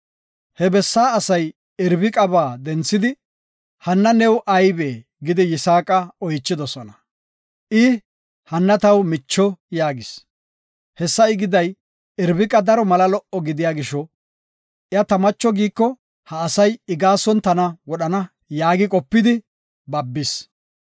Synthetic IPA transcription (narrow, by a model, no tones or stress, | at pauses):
hɛbɛsːaːsɐj | ɪɾbɪkʼɐbaːd̪ɛnt͡sːɪd̪ɪ | hɐnːɐnɛwʔɐjbeː | ɡɪd̪ɪjɪsaːkʼɐɔjt͡ʃːɪd̪ɔsɔnɐ | ʔɪ | hɐnːɐt̪ɐwmɪt͡ʃːɔjaːɡɪs | hɛsːɐɪɡɪd̪ɐj | ɪɾbɪkʼɐd̪ɐɾɔmɐlɐlɔʔɔɡɪd̪ɪjaːɡɪʃɔ | ʔɪɐt̪ɐmɐt͡ʃːɔɡiːkːɔ | hɐːsɐjɪɡaːsɔnt̪ɐnɐwɔɗɐnɐ | jaːɡɪkʼɔpːɪd̪ɪ | bɐbːɪs